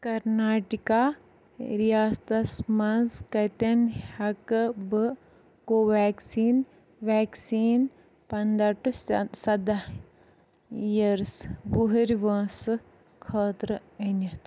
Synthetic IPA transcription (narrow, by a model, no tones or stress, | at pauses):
kɐɾnaːʈikaː | ɾijaːst̪ɐsmɐzkɐt̪ɐnhɐkbɨ | koːʋaːksiːn | ʋaːksiːn | pɐnd̪ɐʈussɐd̪a | ijɐɾsbuɦiɾʲʋɐ̃ːsɨ | kʰəːt̪ɾɨɐnɐt̪